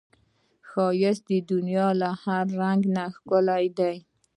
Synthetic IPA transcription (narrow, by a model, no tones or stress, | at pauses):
xɑjɪsd̪əd̪ʊnjɑlahaɾːaŋɡnaxkʊlajd̪aj